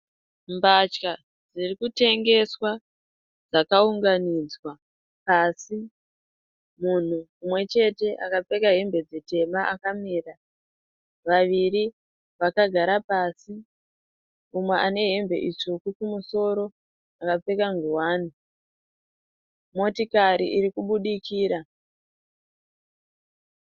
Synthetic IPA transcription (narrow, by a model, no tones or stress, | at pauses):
mbat͡ʃka | d͡zirikute̞ŋɡe̞swa | d͡zakauŋɡanid͡zwa | pasi | mun̤uːmwe̞t͡ʃe̞te̞ʔakap͡fe̞kaɦe̞mbe̞d͡zete̞maʔakamiːra | ʋaʋiɾi | ʋakaɡʱaɾapasi | umweʔane̞ɦe̞mbe̞̰ʔit͡ʂokukumuso̞ɾo̞ | akap͡fe̞kaŋɡuwaːni | mo̞tikaɾḭʔiɾikuɓuɗikiːɾa